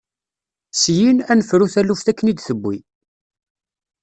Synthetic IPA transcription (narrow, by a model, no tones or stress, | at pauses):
sjinænəfɾuθælːufθækːənid̪θəbʷːi